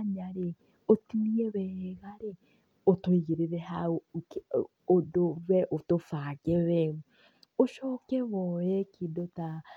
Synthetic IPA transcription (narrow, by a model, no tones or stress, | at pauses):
aɲaɾe | otiniɛwɛɣaɾe | otoiɣeɾeɾɛha | odowɛʔotofaːɣɛwɛu | oʃɔːkɛwɔjɛkʰidota